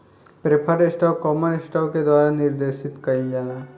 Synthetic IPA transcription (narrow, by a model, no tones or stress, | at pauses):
pɾepʰəɾesʈɔːkːɔːmənɪsʈɔːked̪waːɾanɪɾd̪eːʃɪt̪kɐid͡ʒala